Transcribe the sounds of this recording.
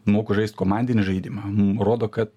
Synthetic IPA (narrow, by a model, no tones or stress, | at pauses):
moːkʊʒɐɪst̪koːmɑnʲd̪ʲɪnʲɪʒɐɪd̪ʲimɐmʊmroːd̪oːkɐt̪